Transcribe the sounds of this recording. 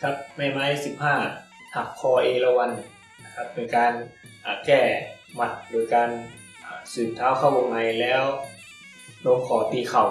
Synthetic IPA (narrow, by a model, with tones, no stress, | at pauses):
kʰa˧˥p̚ma˧˩jma˧˥jsi˨˧˦p̚haː˧˥˩ | hʰa˧˩k̚kʰːɔː˧ʔeː˧la˧wa˧n | na˧kʰa˧˥p̚ːe˧nkaː˧n | ʔaː˨˩kɛː˧˩ | ma˧˩t̪̚doː˧˩jkaː˧n | ʔaː˧˩sɯː˨˩t̪ʰːaː˧˥˩wkʰa˧˩wʔo˧ŋma˧˩jlɛː˦˥w | no˧˥ŋkʰɔː˨˩˦t̪iː˧˩kʰa˨˩w